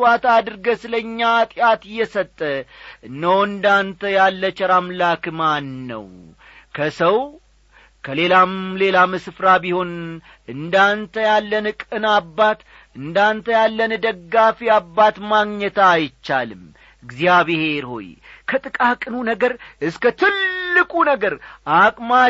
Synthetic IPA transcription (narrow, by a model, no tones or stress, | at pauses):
wat̪ad̪ɨɾɡəsɨləɲːaːt̪ʼjat̪ɨjːɛsət̪ʼːəɨnːəwɨnd̪ant̪ʰəjalːət͡ʃʼɛɾamlakɨmanːə̰w | kʰəsəw | kʰəle̞lamle̞lamɨsfɾabiho̞n | ɨnd̪ant̪ʰəjalːənɨkʼɨnabːat̪ | ɨnd̪ant̪ʰəjalːənd̪əɡːafiabːat̪maɡɲət̪ʰaːjt͡ʃːalɨm | ɨɡzijaβehe̞ɾho̞̰jkʰət̪ʼɨkʼakʼɨnunəɡəɾʔɨskət̪ʰɨlːɨkʼunəɡəɾʔakʼma